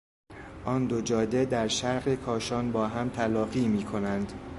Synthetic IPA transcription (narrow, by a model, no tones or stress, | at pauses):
ʔɒːnd̪od͡ʒɒːd̪ed̪æɾʃæɾɢekʰɒːʃɒːnbɒːɦæmt̪ʰælɒːɢiːmiːkʰo̞nænd̪̥